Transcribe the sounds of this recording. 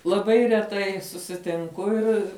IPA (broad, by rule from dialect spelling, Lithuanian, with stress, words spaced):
lˠɐˈbɐɪ rʲɛˈtɐɪ sʊsʲɪtʲɪŋˈkʊ ˈɪr